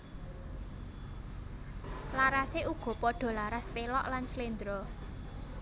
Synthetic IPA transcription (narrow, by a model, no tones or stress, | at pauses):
laɾaseʔuɡ̥ɔ̤pɔɖ̥ɔ̤laɾaspelɔʔlanslind̪ɾɔ